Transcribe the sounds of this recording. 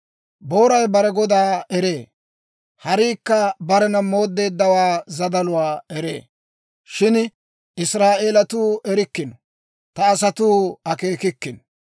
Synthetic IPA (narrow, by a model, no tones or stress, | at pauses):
bo̞ːɾɐjbɐɾɛɡɔd̪aːɛɾeː | hɐɾiːkːɐbɐɾɛnɐmo̞ːd̪ːe̞ːd̪ːɐwaːzɐd̪ɐlʊwaːɛɾḛː | ʃɪn | ʔɪsɾaːʔeːlɐt̪uːʔɛɾɪkːɪnɔ̥ | t̪ɐːs̬ɐt̪uːɐke̞ːkɪkːɪnɔ